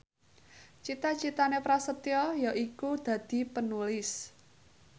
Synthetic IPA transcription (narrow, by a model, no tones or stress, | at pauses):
t͡ʃit̪at͡ʃit̪anepɾasət̪iɔjaʔikud̪̥ä̤d̪̥i̤pənulɪs